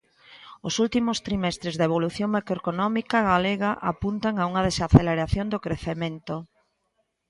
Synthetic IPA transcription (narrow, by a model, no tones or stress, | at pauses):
osult̪imost̪ɾimɛst̪ɾezðeβoluθjoŋmakɾoekonɔmikaɣaleɣaʔa̰punt̪aŋauŋaðesaθeleɾaθjond̪okɾeθemẽnt̪o